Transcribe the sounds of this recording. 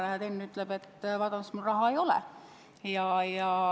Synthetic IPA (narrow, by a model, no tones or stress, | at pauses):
læɦæd̪enːyt̪ːˑleb̥e̞t̪ːvɑt̪ɑnsmulrɑɦɑejo̞lɛ̰ | jɑjɑ